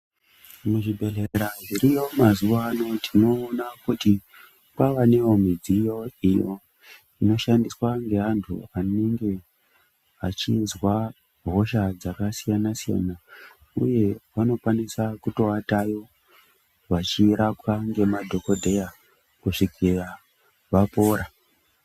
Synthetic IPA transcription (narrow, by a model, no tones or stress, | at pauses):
muʐibʱe̞ɮeɾaʐiɾijo̞mazuʋano̞tino̞ːnakuti | kwaʋaneomid͡zijo̞ijo̞ | ino̞ʃandiswaŋɡe̞ɦantʰṵaneŋɡe̞ | at͡ʃizwa | ɦo̞ʃad͡zakasijanasija̰na | uje̞ʋano̞kwanisakuto̞atajo̞ | ʋat͡ʃiɾakwaŋɡe̞madʱo̞ko̞dʱe̞ja | kuʂikira | ʋapo̞ːɾa